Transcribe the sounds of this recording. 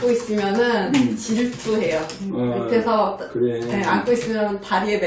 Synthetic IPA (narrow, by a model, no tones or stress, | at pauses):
k͈ois͈ɯmjʌnɯnt͡ɕiɭtʰuɦe̞jokɯtʰesʰʌkneank͈ois͈ɯmjʌnɯntaɾiede